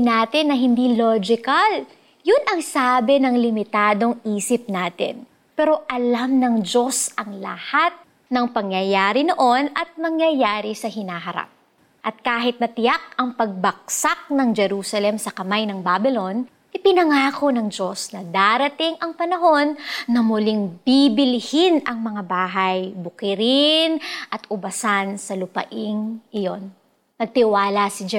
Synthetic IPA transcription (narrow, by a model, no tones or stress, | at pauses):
naːt̪ɪnːɐɦɪnd̪iːlod͡ʒɪkɐl | jʊnʔɐŋsaːbɛnɐŋlɪmɪt̪aːd̪o̞ŋiːsɪp̚naːt̪ɪ̰n | pɛːɾo̞ʔɐlamnɐŋd͡ʒo̞sɐŋlɐ̰hat̪̚ | nɐŋpɐŋjɐjaːɾɪnoʔo̞nɐt̪̚mɐŋjɐjaːɾɪsɐɦɪnaːɦɐɾa̰p̚ | ʔɐt̪̚kaːɦɪt̪̚nɐt̪ɪjak̚ɐŋpɐɡ̚bɐk̚sak̚nɐŋd͡ʒɛɾuːsɐlɛmsɐkɐmajnɐŋbabɪlo̞n | ʔɪpɪnɐŋaːko̞nɐŋd͡ʒo̞snɐd̪aɾɐt̪ɪŋʔɐŋpɐnɐɦo̞nːɐmʊlɪŋbibɪlɪhɪnɐŋmɐŋabaːɦɐjbʊkɪɾɪnʔɐt̪ʊbɐsansɐlʊpɐ̰ʔɪŋʔɪjo̞nː | ɐɡ̚t̪ɪwaːlɐsɪd͡ʒɛ